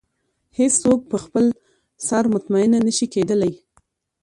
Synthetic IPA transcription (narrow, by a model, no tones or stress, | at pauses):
hesːok̚pəxpəl | sɑɾmʊt̪maɪnanəʃiked̪əlaj